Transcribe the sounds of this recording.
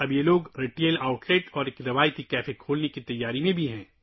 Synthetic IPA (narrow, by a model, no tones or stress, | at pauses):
ɐbjeloːɡɾeʈeːlaːʊʈleːʈɔːɾeːkɾɐʋaːjt̪ikɛːfekʰoːlnekit̪ɐjːaːɾimẽbʱiɦɛ̃ː